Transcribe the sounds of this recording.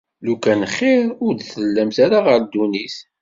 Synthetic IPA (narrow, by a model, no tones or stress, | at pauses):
lukænχːɪɾʊɾd̪θəlːæmθaɾaʁəɾd̪unis